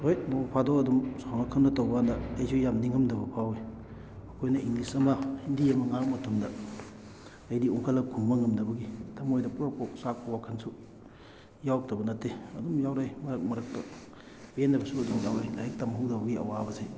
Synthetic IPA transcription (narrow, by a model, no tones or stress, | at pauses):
hojmobpʰadoɐdumsawnɐkʰanɐtowbɐandɐːjsʰujamniŋɐmdɐbɐpʰawe | ɐkʰojnɐiŋnisɐmahindijɐmɐŋamɐtumdɐ | jdiuŋkʰɐlːɐkʰunbɐŋɐmdɐbɐɡitʰɐmojdɐpuɾapok̚sak̚pɐwakʰɐnsu | jawk̚tɐbɐnɐtːeɐdumjawɾajmɐɾɐk̚mɐɾɐk̚tɐ | bendɐbɐsuɐdumjawajla̰jɐk̚tamɦuwdɐbɐɡiɐ̰wabɐsaj